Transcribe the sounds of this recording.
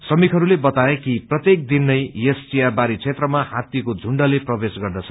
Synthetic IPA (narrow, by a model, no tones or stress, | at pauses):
sʌmikʰɦʌɾulebʌt̪aekiprʌt̪jek̚d̪inːʌjjest͡sijabaɾit͡sʰet̪rʌmahat̪jikod͡zʱuɳɖʌleprʌbesɡʌrd̪ʌt͡sʰʌ̥